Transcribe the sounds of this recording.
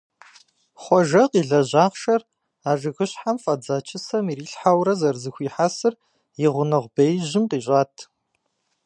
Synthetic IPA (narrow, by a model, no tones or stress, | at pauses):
χʷɔʒɐqiːɮɐʑaːqʃɐr | aːʒɨɣɨɕħamfʼɐd͡zaːt͡ʃʰɪsɐmiːriːɬħawɾɐzɐrzɨxʷiːħasɨr | jɪʁʷʊnɨʁʷbejʑɪmqiːɕʼaːtʰ